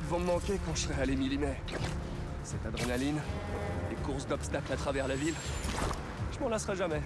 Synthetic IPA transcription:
d̪əvɔ̃məmɑ̃kʲekɑ̃ʃə̥sʁɛalemilimɛ | sɛt̪ad̪ʁenalinlekuʁsd̪ɔpst̪aklat̪χavɛʁlavil | ʒ̥əmɑ̃lasʁɛʒamɛ

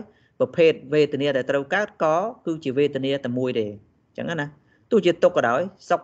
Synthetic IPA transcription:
j | prɑpʰeːt̪̚ʋeːt̪eəniəɗaɛlt̪rəwkaət̪̚kɑːkɨːt͡ɕiəʋeːt̪iəniət̪aəmuəjɗeː | t͡ɕə̰ŋʔana | t̪ʊəh̚t͡ɕiət̪ukːɑɗaɔjsok

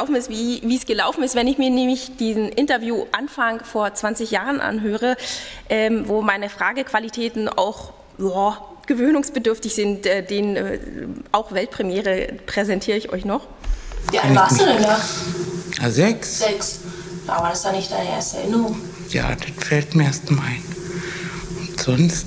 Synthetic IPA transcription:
aʊfn̩ɪstviːviːsɡ̥əlaʊfn̩ɪstv̥ɛnɪçmiːɐnɛːmlɪçd̥iːzn̩ʔɪntɐvjuːʔanfaŋfoːɐt͡sv̥ant͡sɪçjaːʁənʔa̰nɦøːʁəʔɛːmvoːmaɪnəfʁ̥aːɡəkv̥alitʰɛːtn̩ʔa̰ʊx | jaː | ɡ̥əvøːnʊŋsb̥ədʏɐftɪçz̥ɪntʔɛːd̥eːnənɛ̰ːʔaʊxv̥ɛlt̚pʁ̥ɛmjɛːʁəpʁ̥ɛzɛntʰiːʁəɪçʔɔ̰ʏçnɔχ | vianaːsudɛna | jaːzɛkszɛks | d̥a̰vaɾasd̥anɪçtd̥aɪnəʔḛɐstəɛ̰ɐʔɪnəʁʊŋ | ja̰ːd̥atfɛltmiɐeɐstnmaɪn | ʊntz̥ɔnst

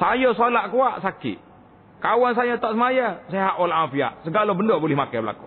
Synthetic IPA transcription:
sajosolaʔkuaʔsakḭ | kawans̬ajot̪ɔʔsəmajaseɦaʔolaʔafia̰ʔsəɡalobəndobolɪhmakajbəla̰ku̥

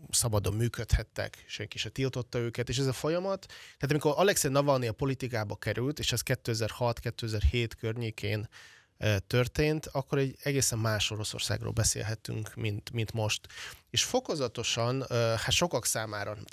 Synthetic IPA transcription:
sɒbɒd̪o̞mːyːkøt̪hɛt̪ːɛ̰kʃɛŋkiʃɛt̪ilt̪o̞t̪ːɒøːkɛt̪eːʃ̬ɛzɒfo̞jɒmɒt̪ːaːt̪ɒmiko̞ɾʔɒlɛksenɒvɒlniɒpo̞lit̪ikaːbɒkɛɾylt̪eːʃɛskɛt̪ːøːɛzɛrhɒt̪kɛt̪ːøːɛzɛrheːt̪kørɲeːkʰeːn | t̪ørt̪eːnt̪ɒkːo̞ɾɛɟɛɡeːsɛmːaːʃo̞ɾo̞so̰rsa̰ːɡro̰ːlbɛsḛːlɦɛt̪y̰ŋkmint̪mint̪mo̞ʃt̪eːʃfo̞ko̞zɒt̪o̞ʃɒnhat̪ʃo̞kɒksaːmaːɾɒ

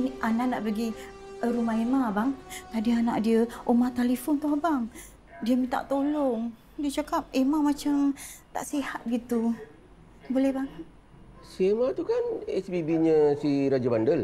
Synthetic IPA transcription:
niʔanaʔnaʔpəɡi | əɾumaemabaŋt̪adiana̰ʔdiəomat̪alefont̪uabaŋ | diəmit̪a̰ʔt̪olɔŋ | diət͡ʃakap̚emamat͡ʃamt̪a̰ʔsihat̪̚bəɡit̪u | bolɛhbaŋat̪̚ | siemat̪ukanɛ̰sbibiɲəsiɾad͡ʒəbandəl

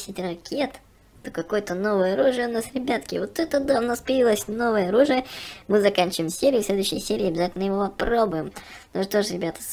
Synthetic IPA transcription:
sʲɪtʲrɐkʲʰet̪ | t̪əkɐko̞jt̪əno̞vəjəɐɾuʐɨjəʊnasɾʲɪbʲat̪kʲɪvot̪ːɛt̪əd̪aʊnaspəjɪvilˠəsʲno̞vəjəɐɾuʐɨjəmɨzɐkanʲt͡ɕɪvɨɪmsʲeɾʲɪjʊsʲlʲed̪ʊʉɕːɪjsʲeɾʲɪːɐbʲɪzatʲɪlnəjɪvo̞pɐpro̞bʊjɪmnoʐɨt̪oʐɨɾʲɪbʲat̪ə̥s

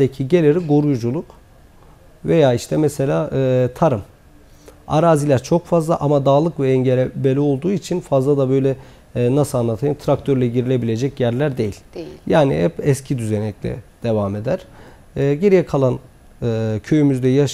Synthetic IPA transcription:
d̪ecʰiɟe̞lʲeɾiɡoɾujd͡ʒulˠuk | ve̞jaːiʃt̪ʰɛmɛse̞lʲaːʔɯːt̪ʰaɾɯm | a̰ɾaːzilʲæɾt͡ʃʰo̞kfazlˠaʔamad̪aːlˠɯkvɛɛɲɟelʲebelʲio̞lˠd̪uːit͡ʃʰinfazlˠad̪abø̞jlʲɛː | nasɯlˠanlˠat̪ʰajɯnt̪ʰɾak̚t̪ʰøɾlʲɛɟiɾilʲe̞bilʲe̞d͡ʒɛcjæɾlʲæɾd̪e̞jilʲjaːnḭhɛpɛscʰid̪yzenɛclʲɛ̰d̪̥e̞vame̞d̪æɾ̥ | ɟeɾijɛkʰalˠan | ɯːcʰøjymyzd̪ɛjaʃ

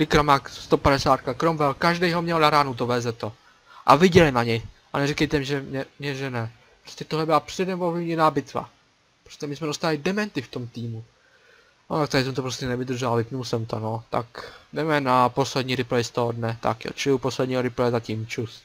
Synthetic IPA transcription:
lɪkɾamakst̪o̞padɛsaːt̪kakɾomvɛlkaʒdɛjɦomɲɛlnaɾaːnowt̪ovɛːzɛt̪o | ʔa̰vɪɟɛlɪnaɲɛjʔanɛrikɛjt̪ɛmɪʒɛmɲɛmɲɛʒɛnɛ | pɾoscɛt̪oɦlɛbɪlapr̝̥ɛdɛmvovlɪvɲɛnaːbɪt̪va̰ | pɾoscɛmɪsmɛdost̪alɪdɛmɛnt̪ɪft̪omt̪iːmu | not̪ak̚t̪aɾɪs̬ɛmt̪opɾoscɛnɛvɪd̪r̩ʒɛlavɪpnulsɛmt̪onot̪a̰kdɛmɛnapo̞slɛdɲiːɾɪplɛjst̪oɦodnɛt̪a̰kjo̰t͡ʃɪlɪuposlɛdɲiːɦoɾɪplɛɛzaciːmt͡ʃus

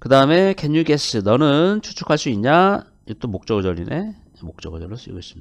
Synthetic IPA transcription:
kɯdaɯme̞keɲːukeɕʰɯnʌnɯnt͡ɕʰut͡ɕʰu̥kʰaɭs͈uiɲɲa | jit͈omok̚t͡ɕ͈ʌɡɯɭd͡ʑʌʎːinʔe | mok̚t͡ɕ͈ʌɡɯɭd͡ʑʌɭːos͈ʰuiɡois͈ɯmɲi̥ḁ

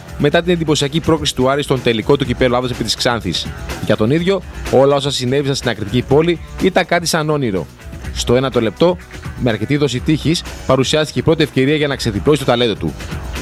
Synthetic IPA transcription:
me̞t̪ɐt̪ine̞nd̪ipo̞siɐcipɾo̞kɾisi̥t̪uɐɾist̪o̞nt̪eliko̞t̪ucipe̞ɾoɐðosepit̪isksɐnθisʝɐt̪o̞niðʝo̞o̞lɐo̞sɐsine̞visɐnst̪inɐkɾit̪icipo̞liit̪ɐŋkɐt̪i̥sɐno̞niɾo̞̰ | st̪o̞e̞nɐt̪o̞le̞p̚t̪o̞ | me̞ɐɾce̞t̪iðo̞sit̪içispɐɾusiɐst̪i̥ceipɾo̞t̪ie̞fce̞ɾiɐʝɐnɐkse̞ðiplo̞sist̪t̪ɐle̞nd̪o̞t̪ṵ

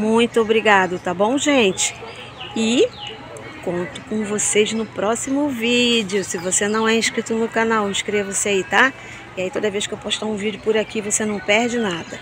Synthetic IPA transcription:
mũj̃t̪ʊobɾiɡad̪ʊt̪abõw̃ʒẽt͡ʃɪ̥ | ɪ | kõnt̪ʊ̥kõvoseznʊpɾɔsimʊvid͡ʒɪʊsɪvosenɐ̃w̃ɛĩʃkɾit̪ʊnʊkanawĩʃkɾevɐsɪait̪a | ɪait̪od̪ɐvejʃkɪewpɔʃt̪aũvid͡ʒɪʊpʊɾakivosenɐ̃w̃pɛɾd͡ʒɪnad̪ɐ

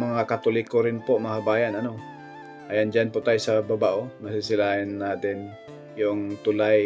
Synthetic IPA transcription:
maŋakat̪ulɪkoɾɪnpoʔmaɦabajanano | ʔajand͡ʒanpʊʔt̪ajsababaʔomasɪsɪlaɪnːat̪ɪn | jʊŋt̪ulaj

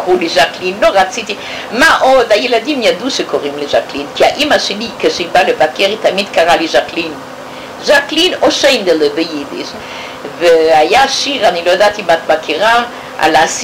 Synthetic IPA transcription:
kʁuliʃaklinloʁat͡sit̪i | maʔod̪ajeladimjad̪uʃekoʁimleʒaklinkiaʔimaʃelikeʃeibalevakeʁit̪amid̪kaʁaliʒaklin | ʒaklinoʃejnd̪elevejidḭʃ | veajaʃiʁanilojad̪at̪imat̪makʰiʁa | ʔa̰laas

